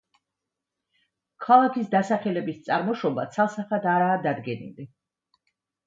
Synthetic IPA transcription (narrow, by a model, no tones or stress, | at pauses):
kʰalˠakʰisd̪asaχɛlɛbist̪sʼaɾmɔʃɔba̰t̪sʰalˠsaχat̪aɾaːd̪ad̪ɡɛnḭli